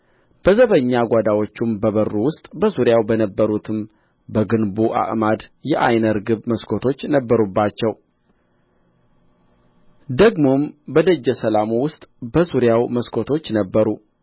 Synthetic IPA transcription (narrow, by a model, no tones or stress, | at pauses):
b̥əzəβəɲːaɡʷad̪awo̞t͡ʃːumbəβərːuwʊst̪ʼbəzuɾjawbənəbːəɾut̪ʰɨm | bəɡɨnbuʔa̰ʔmad̪jɛʔa̰jnəɾɡɨβməskʰo̞t̪ʰo̞t͡ʃːnəbːəɾubːat͡ʃːɛw | d̪əɡmo̞mbəd̪əd͡ʒːəsəlamuwʊst̪ʼbəsuɾjawməskʰo̞t̪ʰo̞t͡ʃːnəbːəɾu